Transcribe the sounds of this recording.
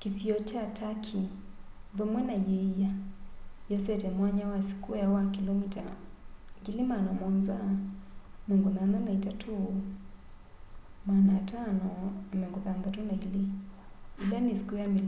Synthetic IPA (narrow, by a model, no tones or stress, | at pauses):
kisiɔt͡ʃatʰakʰi | vɛmwɛnajɛja | jɔsɛtɛmwaɲawasi̥kujawakilɔmita̰ | kilimanamɔnza | mɛŋɡuðananaitatʰu | manatanɔamɛŋɡuðandatunaili | ilanisi̥kujamil